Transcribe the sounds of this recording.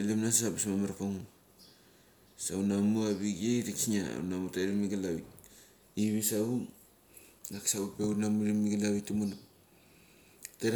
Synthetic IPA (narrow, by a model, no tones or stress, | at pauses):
elemnasabismamaɾapaŋu | saunamuaβiɡeɾiksiɲa̰ṵnamutaɾimiɡalaβi | iβisau | naksaβapeunamuɾimiɡelaβitumuna | teɾ